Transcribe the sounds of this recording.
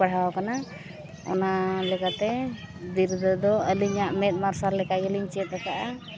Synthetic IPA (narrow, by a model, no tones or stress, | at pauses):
aɽ̤awkana | ɔ̰nalɛkat̪ɛd̪iɾd̪əd̪ɔəliɲaʔmɛt̪̚maɾsaɾlɛkaɡɛliɲt͡ʃɛɛt̪ak̪aʔa